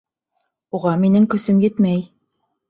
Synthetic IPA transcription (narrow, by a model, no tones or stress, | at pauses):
uʁɑminɘŋkɵ̆sɵmjɘt̪mæj